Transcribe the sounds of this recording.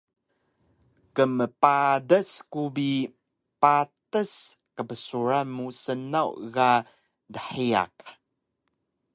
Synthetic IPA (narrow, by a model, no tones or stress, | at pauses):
kəməpadəskubi | patəs | kəbəsuɾamusənawɣa | dəħia̰k